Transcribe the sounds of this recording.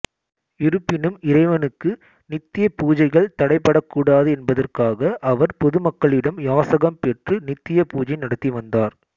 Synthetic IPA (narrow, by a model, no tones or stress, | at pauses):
ɪɾɯpːɪnɯmɪɾɐɪʋɐnɯkːɯ | nɪt̪ːɪjɐpuːd͡ʒɐɪɣɐɭt̪ɐɽɐɪpːɐɽɐkːuːɽaːðɯɛnbɐðɐrkaːɣɐʔɐʋɐɾpɔðɯmɐkːɐɭɪɽɐmjaːsɐɣɐmpɛʈrɯnɪt̪ːɪjɐpuːd͡ʒɐɪnɐɽɐt̪ːiʋɐnd̪aːɾ